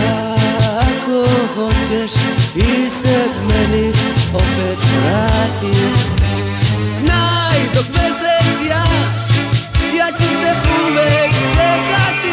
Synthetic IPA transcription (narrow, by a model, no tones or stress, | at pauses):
a | akoxɔt͡ɕɛʃt̪isɛmɛniɔpɛt̪ɾaɾt̪i | znajd̪ɔkmɛsɛsija | ijat͡ɕisɛpuvɛklɛkat̪i